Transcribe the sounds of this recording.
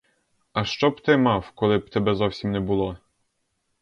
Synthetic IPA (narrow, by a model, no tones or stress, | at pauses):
ɐʃt͡ʃɔbt̪ɪmɑwkɔlˠɪb̚t̪ɛbɛzɔwsʲimnɛbʊlˠɔ